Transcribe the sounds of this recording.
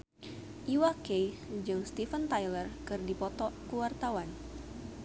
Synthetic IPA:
ʔiwakej | d͡ʒɨŋst̪ifənt̪ajlərkɨrdipɔt̪ɔkuwart̪awan

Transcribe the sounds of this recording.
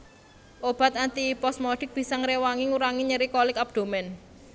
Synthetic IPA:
ʔob̥a̤t̪ant̪ipɔsmɔɖ̥ɪ̤k̚b̥i̤sɔŋɾewaŋiŋuɾaŋiɲəɾikɔlɪkab̚d̪̥o̤mɛn

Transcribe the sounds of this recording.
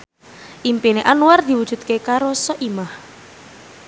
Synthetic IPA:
ʔimpineʔanuward̪̥i̤wud̥ʒ̥ṳt̪̚kekaɾosɔʔimah

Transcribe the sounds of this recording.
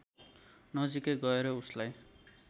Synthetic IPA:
nʌd͡zikeɡʌeɾʌuslaj

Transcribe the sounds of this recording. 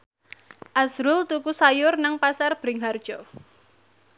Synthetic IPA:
ʔasɾʊlt̪ukusajʊrnaŋpasarb̥ɾɪŋɦard̥ʒ̥ɔ

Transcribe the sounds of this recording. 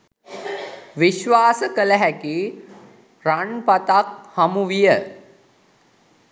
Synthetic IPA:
ʋiʃʋaːsəkələɦækiː | raɳpat̪ak̚hamuʋijə

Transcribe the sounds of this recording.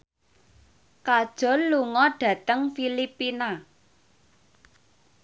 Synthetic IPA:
kad̥ʒ̥ɔ̤nluŋɔɖ̥ä̤t̪əŋfilipina

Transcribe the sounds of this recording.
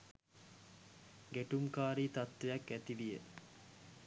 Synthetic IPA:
ɡeʈuŋkaːɾiːt̪at̪ʋejakːæt̪iʋijə

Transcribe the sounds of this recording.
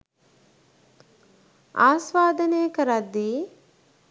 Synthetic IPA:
aːsʋaːd̪ənejəkəɾad̪ːiː

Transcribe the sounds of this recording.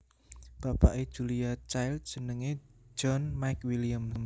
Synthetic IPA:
b̥apa̰ʔed̥ʒ̥uliat͡ʃajl̚d̥ə̤nəŋe̥d͡ʒɔnmajkwilijəmm

